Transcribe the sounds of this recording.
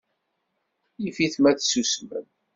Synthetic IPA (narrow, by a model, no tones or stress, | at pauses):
jifiθmæθsusmə̰n